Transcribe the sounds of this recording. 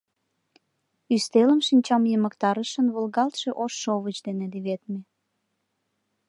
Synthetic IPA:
yst̪eləmʃinʲt͡ɕɑmjəməkt̪ɑɾəʃənβolɣɑlt̪ʃeʔoʃːoβət͡ɕd̪ened̪iβet̪me

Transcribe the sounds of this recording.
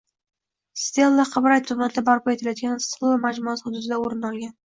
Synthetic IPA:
st̪e̞lˠːaqʰɑbɾajt̪ʰːʊmand̪abaɾpʰɑet̪ʰɪljd̪ɪɡʲanɪsχlˠamad͡ʒmʊashʊd̪ʊd̪ɪd̪aoɾɪnɒlˠɡʲan

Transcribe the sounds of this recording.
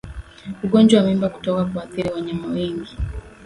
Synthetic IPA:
uɡɔnd͡ʒwawamimbakutɔkakuaθiɾiwaɲamawiŋɡi

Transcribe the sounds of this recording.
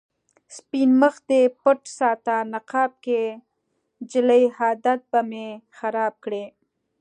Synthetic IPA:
spinməxd̪epʊʈsɑt̪anaqɑb̚ke | d͡ʒɪləjhɑd̪at̪̚bamexaɾɑb̚kɽe

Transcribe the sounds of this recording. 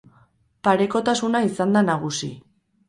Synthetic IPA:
paɾe̞ko̞t̪asunaisand̪anaɣ̞usḭ

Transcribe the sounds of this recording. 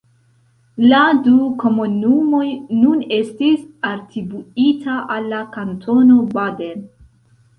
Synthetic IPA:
ladukʰo̞monumo̞jnune̞stisaɾtɾibuitʰaʔalːakantʰo̞no̞baden

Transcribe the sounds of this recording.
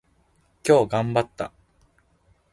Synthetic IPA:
kʲo̞ːɡãmbat̪ːa̰

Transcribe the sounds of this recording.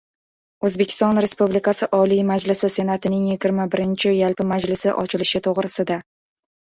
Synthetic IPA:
ɵzbe̞kʲɪ̥st̪ɒnɾe̞spublikʰasɪʔɒlijmad͡ʒlɪsɪse̞nat̪ɪnɪŋjɪɡʲɪɾmabɪɾɪnt͡ʃʰɪjalˠpɪmad͡ʒlɪsɪʔɒ̰t͡ʃʰɪlɪʃɪt̪ʰoʁɾɪsɪd̪a

